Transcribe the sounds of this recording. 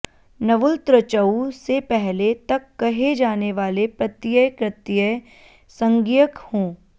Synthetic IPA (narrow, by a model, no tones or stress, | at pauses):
nɐʋʊlt̪ɾət͡ʃəusepɛɦlet̪ɐkːɐɦed͡ʒaːneʋaːlepɾɐt̪ːɪjəkɾɪt̪ɪjə | sɐ̃ŋɡijəkhõː